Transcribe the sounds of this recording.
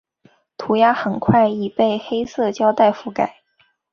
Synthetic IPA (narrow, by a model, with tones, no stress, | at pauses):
t̪ʰu˧˥ja˥xə˨˩nkʰwa˥˩ɪi˨˩pe˥˩ɪxe˥ɪsɤ˥˩t͡ɕjɑ˥ʊt̪a˥˧ɪfu˧˥˩ka˨˩˦ɪ